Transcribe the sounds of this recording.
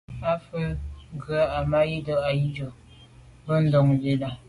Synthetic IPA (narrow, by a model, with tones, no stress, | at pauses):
a˦fə˦ŋ˦ɡɰa˦a˨ma˦ji˦dɔ˦ʔa˨ji˦d͡ʒo˨ | bə˦n̩˦dɔ˨ŋbe˨da˨